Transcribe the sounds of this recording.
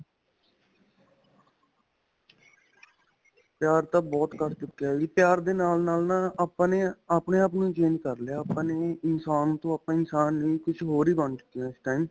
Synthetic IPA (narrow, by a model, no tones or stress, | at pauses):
pjaːɾt̪ãːbɔːt̪kəɾt͡ʃʊkːjaːɡiːpjaːɾd̪eːnaːlnaːlnãːpneaːpneːaːp̬nũt͡ʃẽːnd͡ʒkəɾleaːaːpneːɪnsaːnũːt̪õːaːpnãːɪnsaːnːĩːkʊt͡ʃʰɦoːɾiːbəɳt͡ʃʊ̥kːijãːɪsʈaːiːm